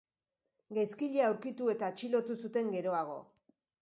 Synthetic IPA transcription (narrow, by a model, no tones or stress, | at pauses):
ɡajskiʎeawɾkit̪ue̞t̪aːt͡ʃilo̞t̪usut̪e̞ŋɡe̞ɾo̞aɣ̞o̞̰